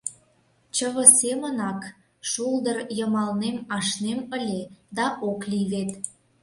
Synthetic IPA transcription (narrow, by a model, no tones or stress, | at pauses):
t͡ɕəβə̆semənɑk | ʃuld̪ərjəmɑlnemɑʃnemə̆lʲed̪ɑʔokliβet̪